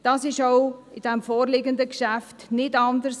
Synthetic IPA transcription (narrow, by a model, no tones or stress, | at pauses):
d̥ɑsɪʃoʊɪd̥ɛmfoːrlɪɡəndəkʃæftnɪtɑndərs